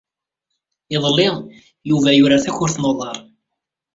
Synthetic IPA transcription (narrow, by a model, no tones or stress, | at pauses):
ɪðˤlːɪʁ | juvæjʊɾaθæçʊɾθnoðˤɑɾˤ